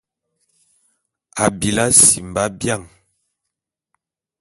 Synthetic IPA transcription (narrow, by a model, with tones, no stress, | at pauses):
a˨bi˨la˦si˨m˨ba˦bja˦˨ŋ